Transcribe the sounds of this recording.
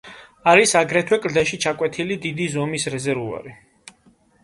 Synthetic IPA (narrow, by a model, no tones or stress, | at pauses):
aɾisaɡɾɛt̪ʰwɛkʼɾd̪ɛʃit͡ʃʰakʼwɛt̪ʰilid̪id̪izɔmisɾɛzɛɾvua̰ɾi